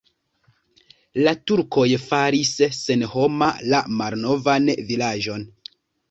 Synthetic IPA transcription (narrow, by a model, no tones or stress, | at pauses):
latuɾko̞jfaɾisːenho̞malamalno̞vanvilaʒo̞n